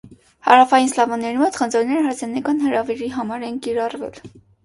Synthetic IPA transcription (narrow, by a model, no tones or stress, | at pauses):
hɑɾɑfɑjinslɑvɔnːɛɾimɔt̪χənd͡zɔɾnɛɾəɦɑɾzɛnɑkɑnhəɾɑviɾiɦɑmɑɾɛnkiɾɑrvɛ̰l